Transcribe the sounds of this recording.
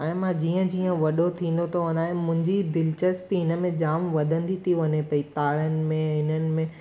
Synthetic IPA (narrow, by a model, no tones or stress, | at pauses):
ɛ̃ːmãd͡ʑiːə̃d͡ʑiːə̃ʋɐɗot̪ʰĩːn̆d̪ot̪oɐnaːɦɪ̃mʊ̃ɦɪ̃ɲd͡ʑid̪ɪlt͡ɕəsbiɦɪnə̆mẽd͡ʑaːmʋɐd̪ʱə̃nd̪it̪ʰiʋɐɲepɐit̪aːɾənɪ̆mẽɦɪnənɪ̆mẽ